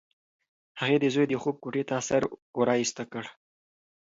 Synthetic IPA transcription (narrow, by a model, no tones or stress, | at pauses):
haɣed̪əzojd̪əxob̚koʈet̪asaɾoɾɑist̪akəɽ